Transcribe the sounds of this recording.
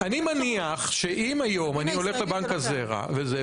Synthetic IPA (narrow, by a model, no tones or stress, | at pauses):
animaniaχʃe̞ʔimajo̞manio̞le̞χle̞baŋkazeʁa̰veze